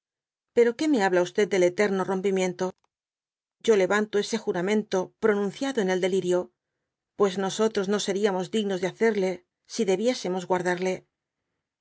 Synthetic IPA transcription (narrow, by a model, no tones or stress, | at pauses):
pe̞ɾo̞ke̞me̞aβlaust̪e̞d̪̚d̪e̞le̞t̪e̞ɾno̞ro̞mpimjẽ̞nt̪o̞ | ɟ͡ʝo̞le̞βant̪o̞e̞se̞xuɾamẽ̞nt̪o̞pɾo̞nũnθjaðoene̞ld̪e̞liɾjo̞ | pwe̞szno̞so̞t̪ɾo̞zno̞se̞ɾiamo̞zd̪iɣno̞zðe̞aθe̞ɾle̞ | siðe̞βje̞se̞mo̞zɣwaɾðaɾle̞